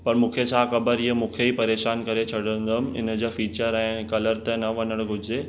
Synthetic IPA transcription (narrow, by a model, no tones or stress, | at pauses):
pɐɾmũːkʰet͡ɕʰaːxɐbəɾiɦəmũːkʰeipɐɾeːʃaːnkɐɾet͡ɕʰɐɽə̃nd̪əm̆ɪ̰nəd͡ʑofiːt͡ɕəɾɛ̃ːkɐləɾt̪enɐʋɐnəɽ̃ɡʱʊd͡ʑe